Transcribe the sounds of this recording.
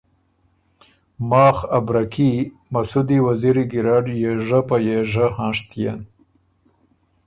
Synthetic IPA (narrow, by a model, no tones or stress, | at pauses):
mɑːxabɾaki | masud̪iwaziɾiɡiɾɑːɖjeʐapajeʐahɑ̃ːʂt̪ija̰n